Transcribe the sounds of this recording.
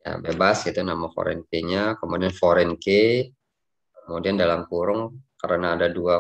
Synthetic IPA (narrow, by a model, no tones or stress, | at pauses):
ja̰bebaskit̪unamafo̰ɾɛ̰nkeɲakəmudianfoɾɛnke | kəmudiandalamkuɾʊŋkaɾənaːdadua